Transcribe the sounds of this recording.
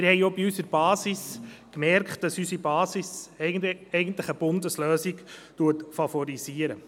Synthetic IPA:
mɪɾhɛɪobiysəɾb̥ɑːsiskmɛɾkχt̚d̥ɑsysibɑːsis | ɛɪɡən̩tlɪχəbʊndəsløːsiɡtuətfɑfɔɾisiːəɾə

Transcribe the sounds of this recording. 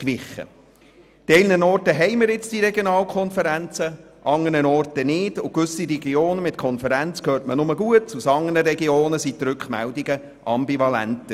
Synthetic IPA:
kʋɪχə̰ | dtɛɪlnənɔːrtəɦɛɪmɪɾɪt͡sd̥iɾɛɡjonɑːlkʰɔnfəɾænt͡sə | ʔɑŋːənənɔrtənɪːd̥ʊkʋʏsiɾɛɡ̥ioːnəmɪtkʰɔnfəɾænt͡skʰøːɾtmənʊməɡuətusɑŋːənəɾɛɡioːnəsit̪ɾʉkχmæ̰ldiɡə | ʔɑmbivɑlæ̰ntə

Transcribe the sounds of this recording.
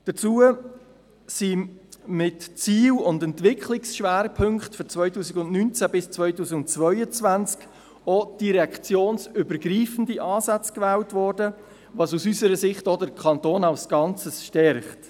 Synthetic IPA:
d̥ət͡suə | simɪtt͡siːlʊndɛntvɪkχlɪksʃʋæːɾpʰɵŋkχtfɔt͡svœʏtuːsiɡʊndnynt͡sæbɪst͡svœʏtuːsiɡʊnt͡svœʏət͡svænt͡sk | ɔd̥iɾɛɑkt͡sjoːnsʏbəɾɡɾiːfən̩diʔɑːsæt͡skvɛːltvɔːɾdə | vɑsusysəɾəsɪχtɔdəɾkʰɑntoːnaʊsɡ̥ɑnt͡səsʃtɛɾχt

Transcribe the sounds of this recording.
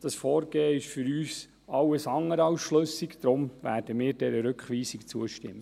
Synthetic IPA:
d̥ɑsfɔːɾɡeːəɪʃfʏɾyːs | ɑwəsɑŋːəɾɑʊsʃløsikd̥̪ɾʊmvæ̰ːɾd̥əmɪːɾdɛɾəɾʏkχʋiːsikt͡suəʃtɪ̰mːə

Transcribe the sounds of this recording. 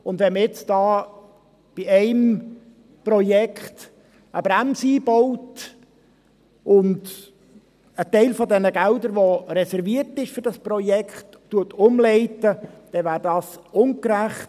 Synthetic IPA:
ʊndʋɛnməɪt͡sd̥ɑː | b̥iɛɪm | prɔjɛkχt | əbɾæmsiːboʊt | ʊnd | ətɛɪlfɔdɛnəɡ̥ældəɾʋoɾɛsɛɾviəɾtɪʃfɵɾdɑspɾɔjɛkχtːuətʊmlɛɪtəd̥ɛvæːɾdɑːsʊnkɾæχt

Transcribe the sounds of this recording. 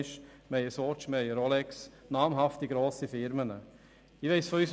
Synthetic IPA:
ʃmɛjəsɔːt͡ʃmɛɪəɾɔlɛksnaːmɦaftiɡɾoːsifɪɾmənə | ɪʋeɪsfɔyːs

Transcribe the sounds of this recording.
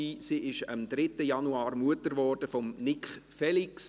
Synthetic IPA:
iːsiːɪʃə̰md̪ɾɪtəjɑnuɑːɾmuətəɾʋɔːrd̥əfɔmnɪkχfɛliks

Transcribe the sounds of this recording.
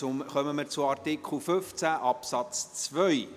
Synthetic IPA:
ʊmχœməmɪɾt͡sʊɑrt̪ɪkχl̩føft͡sæʔɑpsɑt͡st͡svœj

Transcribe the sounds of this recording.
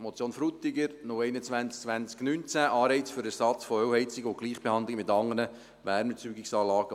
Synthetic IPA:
mot͡sjoːnfɾut̪ɪɡəɾnʊɛɪnət͡sʋænt͡sk̚t͡sʋænt͡sknynt͡sæʔɑːɾɛɪt͡sfʏɾəsɑt͡sfɔœwhɛɪt͡sɪɡəʊɡliːχb̥ehɑnd̪lɪɡəmɪt̪ɑŋːənə | ʋæːɾmət͡syːɡɪksɑːlɑːɡ̥ə

